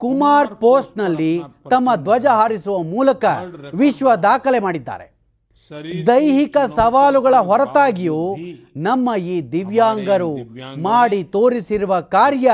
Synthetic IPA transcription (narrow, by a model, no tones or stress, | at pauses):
kumaːɾpoːsʈnɐlːit̪ɐmːɐd̪ʋɐd͡ʒɐɦaːɾisuʋɐmuːlɐkɐʋiʃʋɐd̪aːkɐlemaːɽid̪ːa̰ːɾe̞̰ | d̪ɐjɦikɐsɐʋaːluɡɐɭɐɦɔɾɐt̪aːɡijoːnɐmːɐjiːd̪iʋjaːŋɡɐɾumaːɽit̪oːɾisiɾuʋɐkaːɾjɐ